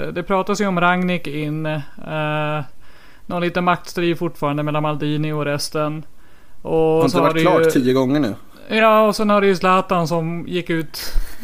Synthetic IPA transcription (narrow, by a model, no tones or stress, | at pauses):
d̪ɛpʰɾɑːt̪asjɵɔmɾaŋnɪkɪnː | nɔliːt̪ənmak̚t̪st̪ɾiːvfʊʈːfɑːɾand̪əmɛlːanmald̪iːnɪɔɾɛst̪ən | ɔsɔhaɖɛlɑːt̪ʰiːəɡɔŋːəɳʉ̟̰ː | jɑːɔsɛnhaɖɛjʉslaːt̪ansɔmjɪkːʉ̟ːt̪